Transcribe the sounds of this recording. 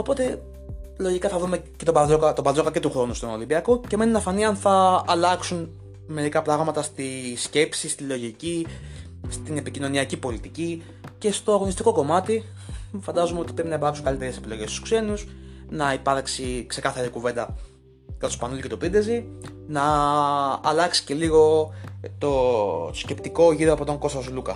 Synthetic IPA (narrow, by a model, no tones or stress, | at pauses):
o̞po̞t̪e̞ | lo̞ʝikɐθɐvɾume̞ce̞t̪obɐzokɐt̪obɐlzo̞kɐce̞t̪uxɾo̞nust̪ono̞limbiɐko̞ce̞me̞ninɐfɐniɐnθɐːlɐksun | me̞ɾikɐpɾɐɣmɐt̪ɐst̪isce̞psist̪ilo̞ʝici | st̪inepicino̞niɐcipo̞lit̪ici | ce̞st̪o̞ɐɣo̞nist̪iko̞ko̞mɐt̪i | fɐnd̪ɐzumeo̞t̪i̥pɾepinɐipɐɾksuŋkɐlit̪eɾesepilo̞ʝest̪u̥skse̞nusnɐipɐɾksikse̞kɐθɐɾikuvend̪ɐ | kɐt̪ospɐnuluce̞t̪opind̪ezi | nɐː | lɐksi̥ce̞liɣo̞t̪oosce̞pt̪iko̞ʝiɾoɐpo̞t̪o̞ŋɡo̞st̪ɐslukɐ